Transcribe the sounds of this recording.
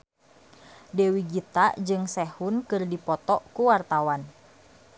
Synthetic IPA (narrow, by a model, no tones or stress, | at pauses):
dɛwiɡit̪aʔd͡ʒɨŋsɛhunkɨrdipɔt̪ɔʔkuwart̪awan